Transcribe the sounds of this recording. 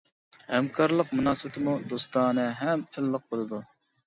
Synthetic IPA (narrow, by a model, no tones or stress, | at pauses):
hɛmkʰɑɾlˠəqmunɑːsɨbɪt̪ʰɨmud̪ost̪ɑːnɨɦɛmʰɪlːəq̚bolˠɨd̪u